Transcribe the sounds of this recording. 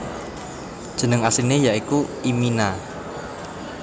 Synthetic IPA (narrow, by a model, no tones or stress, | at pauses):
d̥ʒ̥ə̤nəŋasinejaʔikuimina